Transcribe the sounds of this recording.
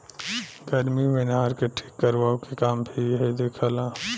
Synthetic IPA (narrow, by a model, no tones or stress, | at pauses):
ɡɐɾmiʋɪnɦaːɾkeʈʰi̥ːkːəɾʋaːokekaːmbʱiɦɛd̪eːkʰalaː